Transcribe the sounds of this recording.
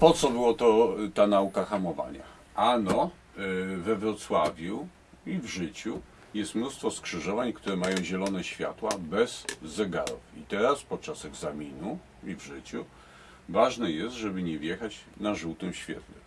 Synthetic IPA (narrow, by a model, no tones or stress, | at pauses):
pɔt̪sɔbɘwɔt̪ɔt̪anaukaxamɔva̰ɲa̰ | anɔ | vɛvɾɔt̪swavʲju | ivʐɘt͡ɕu | jɛst̪mnust̪fɔskʂɘʐɔvaɲkt̪uɾɛmajɔ̃w̃ʑɛlɔnɛɕfʲja̰t̪wabɛzːɛɡa̰ɾṵfit̪ɛɾaspɔt̪̚t͡ʂasɛɡzamʲinu | ivʐɘt͡ɕu | vaʐnɛjɛst̪ʐɛbɘɲɛvʲjɛxat͡ɕnaʐuwt̪ɛmɕfʲjɛ̰t̪nɘ̰m